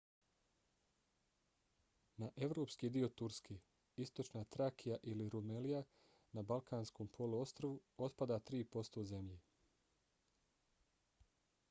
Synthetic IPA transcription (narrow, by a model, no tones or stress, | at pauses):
naʔe̞ʋɾoːpskiːd̪io̞t̪uɾskʰeː | ist̪o̞t͡ʃnaːt̪ɾakʰijaʔiliɾumelija | nabalˠkʰaːnskoːmpʰo̞luo̞st̪ɾoʋuo̞t̪pad̪at̪ɾiːpo̞st̪oze̞mʎe